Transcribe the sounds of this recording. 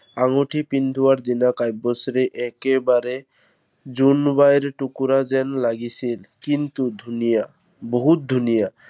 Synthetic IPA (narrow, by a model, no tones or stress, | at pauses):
aŋoʈʰipind̪ʱuwaɾd̪inakajbːɔsɾeʔɛkebaɾe | zunbajɾʈukuɾazɛnlaɡisilkint̪ud̪ʱunija | boɦut̪̚d̪ʱunija